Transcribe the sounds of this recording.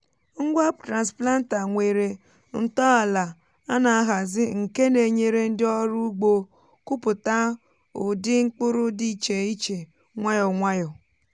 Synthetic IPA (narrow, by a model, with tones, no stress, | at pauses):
ŋ̩˦ɡʷa˦p̚tɾa˨nspla˦n̩˦ta˨ŋʷe˨ɾe˨ | n̩˦tɔ˦a˨la˨ | a˦na˨a˦ɦa˨zɪ˦ŋ̩˨ke˦ne˨ɲe˦ɾe˦n̩˦dɪ˦ɔ˦ɾu˦ɡ͡bo˦ | kʊ˦pʊ˨ta˦ | ʊ˨dɪ˦ŋ͡m̩˦k͡pʊ˦ɾʊ˦di˦˨t͡ʃe˨i˦t͡ʃe˨ | ŋʷa˦jɔ˨ŋʷa˦jɔ˨